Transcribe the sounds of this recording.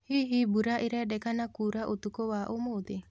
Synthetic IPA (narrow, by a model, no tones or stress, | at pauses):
hiɦibuɾaʔiɾɛdɛkanakuɾaʔot̪ukowaʔomod̪e